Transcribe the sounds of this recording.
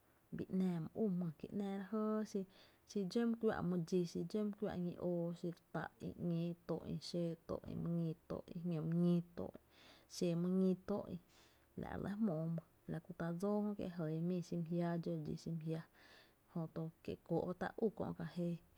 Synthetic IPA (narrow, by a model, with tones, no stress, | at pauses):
bi˧˨ʔnɛ̃ː˧˨mɨ̃˧˨ʔu˦˨mɨ̃˧˨kḭ˧˨ʔnɛ̃ː˧˨ɾa˧ɦəː˦ʃi˧ | ʃi˧d͡ʒe˦m̃˦kʷja̰˧˨ʔmɨ̃˧d͡ʒi˧ʃi˧d͡ʒe˦m˦kʷja̰˧˨ʔŋḭ̃˧ʔoː˧˨ʃi˧ɾt̪a˧˨ʔḭ̃˧ŋẽː˦t̪o̰˧˨ʔḭ̃˧ʃeː˧t̪o̰˧˨ʔḭ̃˧mɨ̃˧ŋĩ˧t̪o̰˧˨ʔĩ˧ɲõ˧m̃˧ŋĩ˦t̪o̰˨ʔʃe˧˨mɨ̃˧ŋĩ˧t̪o˦˨ʔḭ̃˧ | la̰˨ʔlʔḛ̃˧˦mõː˨mɨ̃˧ | la˨ʔku˧t̪a˧d͡zoː˦hõ˦kjḛ˧ɦə˨˧mĩː˦˧˨ʃi˧m˨ɦja˧d͡ʒo˧d͡ʒḭ˧˨ʃi˧m˧ɦja˧ | hõ˧t̪o˧kje˧˨kʷo̰˨a˧t̪a̰˧ʔu˦˧˨kõ̰˧ʔka˧he˧